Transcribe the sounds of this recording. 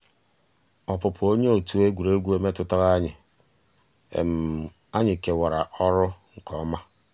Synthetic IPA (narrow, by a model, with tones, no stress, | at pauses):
ɔ˨pʊ˨pʊ˨o˦ɲe˦o˨tu˨e˦ɡʷu˨ɾe˦ɡʷu˦e˦me˦tʊ˦ta˦ɣa˦ɲɪ˨ | ḛ˨m̩˨ | a˦ɲɪ˨ke˨wa˨ɾa˨ʔɔ˦ɾʊ˦ŋ̩˨kʰɔ˨˦ma˦